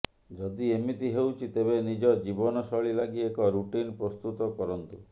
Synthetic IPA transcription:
d͡ʒɔd̪iemit̪iɦewt͡ʃʰit̪ebenid͡ʒɔd͡ʒibɔnɔsɔɭilaɡiekɔɾuʈinpɾɔst̪ut̪ɔkɔɾɔnt̪u

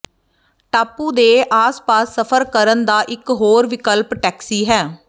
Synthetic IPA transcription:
ʈaːpuːd̪eːʔaːspaːsːəpʰəɾkəɾənd̪aːʔɪkɦoːɾʋɪkəlpʈɛːksiːɦɛː

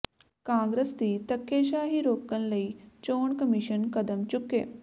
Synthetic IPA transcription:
kãːŋɡɾəst̪iːt̪ɐkːeːʃaːɦiɾoːkːənlɐit͡ʃoːɳkɐmiʃənkɐd̪əmt͡ʃʊkːḛː

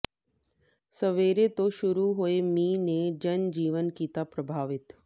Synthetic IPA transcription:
sɐʋeːɾet̪oʃʊɾuɦoemiːned͡ʒɐnd͡ʒiːʋənkiːt̪apɾəbʱaːʋɪt̪

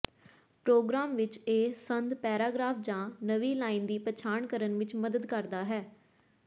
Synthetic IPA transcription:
pɾoːɡɾaːmʋɪt͡ʃeːsənd̪pɛːɾaːɡɾaːfʰd͡ʒãːnəʋiːlaːiːnd̪iːpət͡ʃʰaːɳkəɾənʋɪt͡ʃməd̪əd̪kəɾd̪aːɦɛː

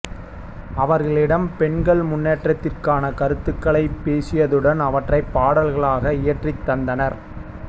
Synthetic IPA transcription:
ɐʋɐɾɣɐɭɪɽɐmpɛɳɡɐɭmʊnːeːʈrɐt̪ːɪrkaːnɐkɐɾɯt̪ːɯkːɐɭɐɪpːeːsɪjɐðɯɽɐnɐʋɐʈrɐɪpːaːɽɐlɣɐɭaːɣɐɪjɐʈrit̪ːɐnd̪ɐnɐɾ

